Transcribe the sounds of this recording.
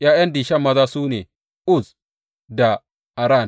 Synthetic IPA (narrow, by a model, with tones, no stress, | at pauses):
ʔja˦ʔɛ˦nd̪iː˨ʃɐ˦mɐ˨za˦suː˦ne˨ | ʊ˦z | d̪a˨ | ɐ˨ɾa˦˨n